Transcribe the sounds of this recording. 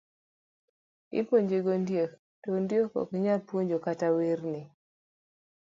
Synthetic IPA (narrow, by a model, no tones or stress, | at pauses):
ɪ̰poɲd͡ʒeɡondjek | tɔndjokɔ̰kɲalpwoɲd͡ʒokatawernɪ